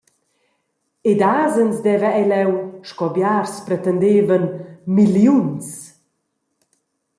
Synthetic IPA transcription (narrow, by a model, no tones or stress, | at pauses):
ed̪aːzənzd̪ɛvəɛlɛwʃkɔbjarspɾɛt̪ənd̪eːvənmiljuns